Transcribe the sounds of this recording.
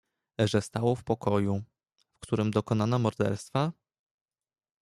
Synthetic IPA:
ʐɛst̪awɔfpɔkʰɔju | fkt̪uɾɘmd̪ɔkɔnanamɔɾd̪ɛ̰ɾst̪fa

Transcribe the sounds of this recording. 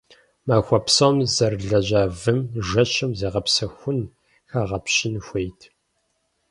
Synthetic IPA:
maːxʷɐpsomzɐrɮɐʑaːvɨmʒɐʃɐmzɐːʁɐpsɐxʷʊn | xaːʁɐpɕɪnxʷejtʰ

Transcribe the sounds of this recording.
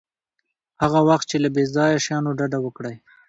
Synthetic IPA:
haɣawaxt̪̚t͡ʃelabezɑjaʃjɑnoɖaɖawəkɽaj

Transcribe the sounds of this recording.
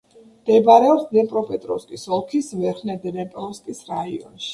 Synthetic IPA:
md̪̥ɛbaɾɛɔpsd̪ɛmpʼɾɔpʼɛt̪ʼɾɔ̰fskʼisɔlˠkʰisvɛɾχnɛd̪ɛnɛpʼɔskʼisɾaiɔ̰nʃi̥

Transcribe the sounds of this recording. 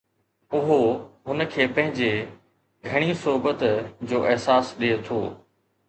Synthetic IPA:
ʊɦoɦʊnəkʰeːpɐ̃ɦɪ̃ɲd͡ʑe | ɡʱɐɽ̃isʊɦbət̪d͡ʑoːʔɪɦsaːsɗiet̪ʰoː

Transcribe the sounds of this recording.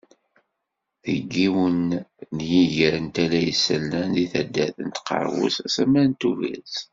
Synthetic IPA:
ðə̰ɡːiwənːjiʝəɾənt̪ælæjəsːəlːænðiθæd̪ːæθə̰nt̪qə̰ɾˤwṵsæsæmænt̪uvæ̰t͡s

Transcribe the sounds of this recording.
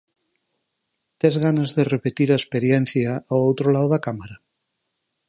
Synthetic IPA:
t̪ezɣanazðerepet̪iɾaespeɾjen̟θjaːwowt̪ɾolawðakamaɾa

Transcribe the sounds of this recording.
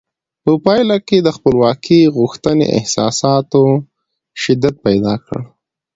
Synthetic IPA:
pəpɑjlaked̪əxpəlwɑkʰiɣʊxt̪ənḛʔɪ̰hsɑsɑt̪o | ʃɪd̪ːat̪̚pajd̪ɑkə̰ɽ

